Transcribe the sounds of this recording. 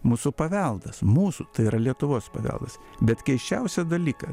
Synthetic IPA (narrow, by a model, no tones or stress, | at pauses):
muːsupɐʋʲɛlˠd̪ɐsmuːsut̪ɐɪiɾɐlʲiɛt̪ʊʋoːspɐ̰ʋʲɛ̰lˠd̪ɐs | bʲɛt̪kʲɛɪʃʲt͡ʃʲɛʊsʲɛd̪ɐlʲiːkɐ